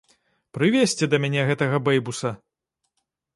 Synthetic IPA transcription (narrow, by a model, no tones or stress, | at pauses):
pɾɨvʲesʲt͡sʲɛd̪ɐmʲanʲɛɣɛt̪ɐɣɐbɛjbusɐ